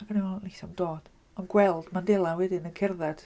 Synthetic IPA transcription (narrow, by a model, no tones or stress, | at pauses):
aɡəniɔlisamdoːd̥ | ɔnɡwɛlˠd̥mandɛlˠawɛdɪnənkʰɪrðɛd̥